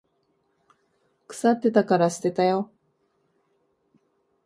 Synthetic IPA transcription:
kɯ̟̥sat̪ːe̞t̪akaɾaɕɨ̥t̪e̞t̪ajo̞

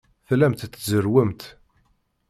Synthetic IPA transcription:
θlæmt̪ːzəɾwəmt̪

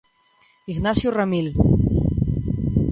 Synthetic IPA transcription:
iɣnasjoramil

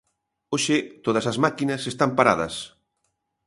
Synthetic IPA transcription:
oʃɪt̪oðɐsɐzmakinɐsest̪ampaɾa̰ðɐ̰s

